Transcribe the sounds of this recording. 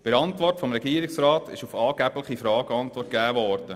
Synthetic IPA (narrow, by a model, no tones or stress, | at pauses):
b̥ɪɾɑntʋɔrtfɔmɾɛɡ̥iːɾɪksrɾɑːtɪ̰ʃufɑːɡ̥æbləχifɾɑːɡ̥əɑntvɔrt̚ɡ̥æːvɔɾd̥ə